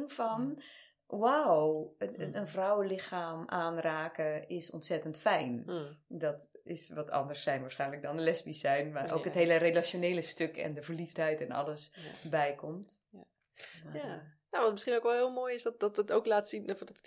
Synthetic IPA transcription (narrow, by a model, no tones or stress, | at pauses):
ŋfɔn | waw | ənvrɔwəlɪxaːmʔaːnraːkəɪsɔ̰ntsɛtəntfɛjndɔt | ɪsʋɔtʰɑ̰ndərsɛjnʋaːɹsχɛjnlək̚dɔnəlɛsbisɛjnʋaro̰ːkɦətɦeːlərelasjoneːləstøkʰɛ̰ndəvərlifthɛjtɛnɔ̰ləsbɛjkʰɔmt | anoaʋɔntmɪsχinowkʋɛlˠɦɪːlˠmoːjɪsdɔt̚dɔtətowklaːtsinfdɔt